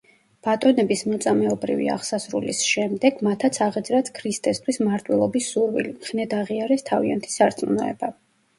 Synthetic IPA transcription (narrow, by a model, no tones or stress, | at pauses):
b̥at̪ʼɔnɛbismɔt̪sʼamɛɔbɾḭvḭa̰ʁsasɾṵlisʃɛmd̪ɛɡ̥mat̪ʰat̪sʰaʁɛd̪zɾat̪sʰkʰɾist̪ʼɛst̪ʰwismaɾt̪ʼwɛlˠɔbisːuɾvḭlimχnɛd̪aʁiaɾɛst̪ʰavia̰nt̪ʰi̥saɾt̪sʼmunɔɛ̰ba